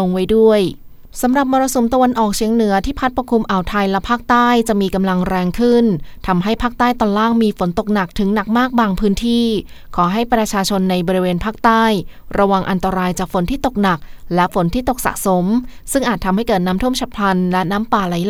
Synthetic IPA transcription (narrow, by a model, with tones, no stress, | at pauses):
o˧ŋwa˦˥jdu˥˩əj | sa˩˦mɾa˨˩p̚mɔː˧ɾa˧so˩˦mt̪a˧wa˧nʔɔː˨˩k̚t͡ɕʰi˩˦əŋnɯ˩˦ɐt̪ʰiː˥˩pʰa˦˥t̪̚pa˧˩kʰːu˧mʔa˨˩wt̪ʰa˧jlɛ˦˥pʰaː˥˩k̚t̪aː˥˩jt͡ɕa˨˩ʔmiː˧ka˧mla˧ŋɾɛː˧ŋkʰɯ˥˩nt̪ʰa˧mɦa˥˩jpʰaː˥˩k̚t̪aː˥˩jt̪ɔː˧nlaː˥˩ŋmiː˧fo˩˦nt̪o˨˩k̚na˨˩k̚t̪ʰɯ˨˩˦ŋna˨˩k̚maː˥˩k̚baː˧ŋpʰɯː˦˥nt̪ʰiː˥˩ | kʰɔː˩˦ɦa˥˩jpɾa˧t͡ɕʰaː˧t͡ɕʰo˧nːa˧jbɔː˧ɾi˧˥weː˧npʰaː˥˩k̚t̪aː˥˩j | ɾa˧wa˧ŋʔa˧nt̪a˧ɾaː˧jt͡ɕaː˨˩k̚fo˩˦nt̪ʰiː˥˩t̪o˨˩k̚na˨˩k̚lɛ˦˥fo˩˦nt̪ʰiː˥˩t̪o˨˩k̚sa̰˨˩ʔso˩˦msɯ˥˩ŋʔaː˨˩t̪ʰːa˧mha˥˩jkɤː˨˩t̪̚naː˦˥mt̪ʰu˥˩əmt͡ɕʰa˧˩pʰa˧nlɛ˦˥naː˦˥mpaː˨˩la˨˩˦jl